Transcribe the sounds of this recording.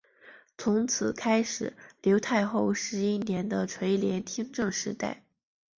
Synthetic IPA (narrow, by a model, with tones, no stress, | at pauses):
t͡sʰʊ˧˥ŋt͡sʰɹ̩˨˩kʰa˥ɪʂɻ̩˨˩˦ljo˧˥ʊt̪ʰa˥˧ɪxo˥˩ʊʂɻ̩˧˥i˥njɛ˧˥nd̪ə˧ʈ͡ʂʰwe˧˥ɪljɛ˧˥nt̪ʰi˥ŋʈ͡ʂɤ˥˩ŋʂɻ̩˧˥t̪a̰˥˩ɪ